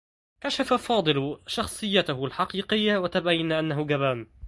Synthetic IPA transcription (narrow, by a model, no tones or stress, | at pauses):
kaʃafafɑːd̪ˤɨlʃɑxsˤɨjːat̪ahʊlħɑqiːqɪjːawat̪abajːanaʔanːahʊɡaβaːn